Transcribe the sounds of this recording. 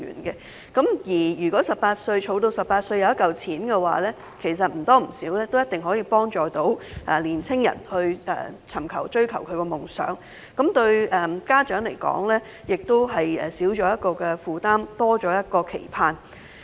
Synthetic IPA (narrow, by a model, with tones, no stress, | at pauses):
y̰ː˨˩nkɛ˧ | kɐ˨˥mjiː˨˩jyː˨˩kɔː˨˥sɐ˨p̚pːaː˧t̚sɵ˧ɥt͡ʃʰo˨˧wt̪o˧wsɐ˨p̚aː˧t̚sɵ˧ɥjɐ˧wjɐ˥tkːɐ˨wt͡sʰiː˨˥nkɛ˧wa̰ː˨˦lɛː˥ | kʰe˨˩js̬ɐ˨t̚m̩˨˩t̪ɔː˥m̩˨˩siː˨˥wlɛː˥t̪o˥wjɐ˥t̚t̪ɪ˨ŋɦɔː˨˥jiː˧pɔː˥ŋt͡ʃɔː˨t̪o˨˥wʔɛː˨˩liː˨˩nt͡sʰɪ˥ŋjɐ̰˨˩nhɵ˧ɥʔɛ̰˨t͡sʰɐ˨˩mkʰɐ˨˩wt͡ʃɵ˥ɥkʰɐ˨˩wkʰɵ˨˧ɥkɛː˧mʊ˨˩ŋsœ̰ː˨˥ŋ | kɐ˨˥mt̪ɵ˧ɥɛː˨˩kaː˥t͡ʃœː˨˥ŋle˨˩jkɔ̰ː˨˥ŋlɛː˥ | jɪ˨k̚t̪o˥wɦɐ˨jɛ̰˨siː˨˥wt͡ʃɔː˨˥jɐ˥t̚kɔː˧kɛ˧fuː˨t̪aː˥mt̪ɔː˥t͡ʃɔː˨˥jɐ˥t̚kɔː˧kʰḛ˨˩jpʰaː˧n